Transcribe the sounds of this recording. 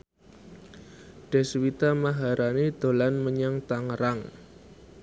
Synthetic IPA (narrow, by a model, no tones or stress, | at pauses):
ɖ̥ɛ̤swit̪amaɦaɾʔanid̪̥o̤lanməɲəŋt̪aŋəɾaŋ